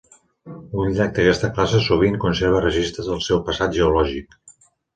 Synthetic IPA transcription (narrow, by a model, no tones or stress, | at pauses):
unʎak̚d̪əkɛst̪əklasəsuβ̞iŋkunseɾβ̞ərəʒist̪ɾəzəlˠsɛwpəsat̪ʒəulɔʒik